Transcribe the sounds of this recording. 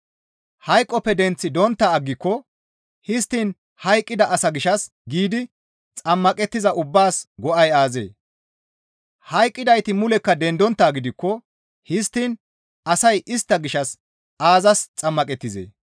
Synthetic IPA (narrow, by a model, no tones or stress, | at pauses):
hɐjkʼːɔpːɛd̪ɛnt͡sːɪd̪ɔnt̪ːaːɡːɪkːɔ | hɪst̪ːiːn | hɐjkʼːɪd̪ɐʔɐsɐɡɪʃɐs | ɡiːd̪ɪ | t͡sʼɐmːɐkʼɛt̪ːɪzɐʔʊbːaːsɡɔʔɐjaːzḛː | hɐjkʼːɪd̪ɐjt̪ɪmʊlɛkːɐd̪ɛnd̪ɔnt̪ːaːɡɪd̪ɪkːɔ | hɪst̪ːiːn | ʔɐsɐjʔɪst̪ːɐɡɪʃɐs | ʔaːzɐst͡sʼɐmːɐkʼɛt̪ːɪzḛː